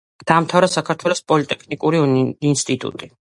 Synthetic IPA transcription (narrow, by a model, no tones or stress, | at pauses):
d̪̥aːmt̪ʰavɾasakʰaɾt̪ʰwɛlɔspʼɔlit̪ʼɛkʰnikʼuɾiinst̪ʼit̪ʼṵt̪ʼi